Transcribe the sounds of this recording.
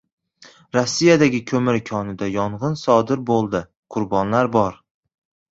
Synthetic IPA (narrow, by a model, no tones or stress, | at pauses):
ɾɒsːijad̪aɡʲɪkʲʰɵmɪɾkʰɒnɪd̪ajɒɴʁɨnsɒd̪ɪɾbolˠd̪ɪ | qʰʊɾbɒnlaɾbɒɾ